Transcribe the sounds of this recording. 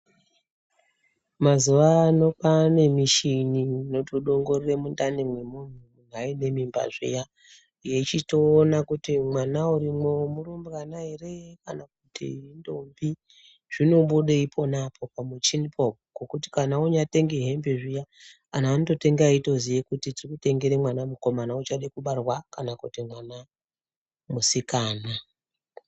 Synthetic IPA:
mazuʋaːno̞pane̞miʃinino̞toɗo̞ŋɡo̞riremundanemwe̞mun̤uuŋaine̞mimba̰ʐḭja | jet͡ʃito̞ːnakutimwanauɾimomurumbanaɦe̞re̞jekanak̚utḭɦindombi | ʐ̥ino̞ɓuɗeipʰo̞napʰo̞pamut͡ʃinipʰopoɡ̥okuti̥kanauɲate̞ŋɡeɦe̞mbeʐija | anaːnoto̞te̞ŋɡaito̞zijekutitirikute̞ŋɡeɾemwanamuko̞manaut͡ʃaɗekuɓarwakanakutimwana | musikaːna

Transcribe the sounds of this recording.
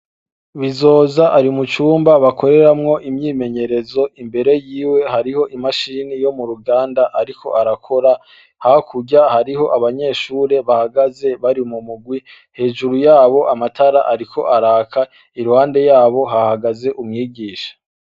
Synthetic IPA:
βizo̞ːzaʔaɾimut͡ʃuːmbaβakʰo̞ɾe̞ɾamŋo̞ʔimɲiːme̞ɲe̞ɾe̞zo̞ʔimbe̞ɾe̞jiːwe̞haɾiho̞ʔimaʃiːnijo̞muɾuɡaːndaʔaɾikʰo̞̰ʔaɾakʰo̞ɾa | hakʰuɟahaɾiho̞ʔaβaɲe̞ʃuːɾe̞βahaɡaze̞βaɾimumuɡwi | he̞ːʒuɾujaːβo̞ʔamatʰaɾaʔaɾikʰo̞̰ʔaɾaːkʰa | iɾuhaːnde̞jaːβo̞ɦahaɡaze̞ʔumŋiːɡiːʃḁ

